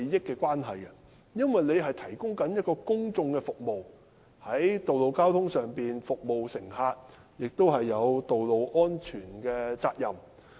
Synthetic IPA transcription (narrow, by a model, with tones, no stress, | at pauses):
jɪ˥kːɛː˧kʷwaː˥nɦɐ˨jkɛ˧ | jɐ˥nwɐ˨jne˨˧jɦɐ˨jt̪ʰɐ˨˩jkʊ˥ŋkɐ˨˥njɐ˥t̚kɔː˧kʊ˥ŋt͡sʊ˧ŋkɛ˧fʊ˨k̚mo˨w | hɐ˨˥jt̪o˨wlo˨wkaː˥wt̪ʰʊ˥ŋsœː˨ŋpiː˨nfʊ˨k̚mo˨wsɪ˨˩ŋɦaː˧t̚ | jɪ˨k̚t̪o˥wɦɐ˨jːɐ˨˧wt̪o˨wlo˨wʔɔː˥nt͡ʃʰyː˨˩nkɛː˧t͡saː˧t̚jɐ˨m